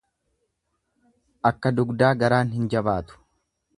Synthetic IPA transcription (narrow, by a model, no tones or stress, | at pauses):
ʔɐkːɐd̪ʊɡd̪aːɡɐɾaːnhɪnd͡ʒɐbaːt̪ʊ̥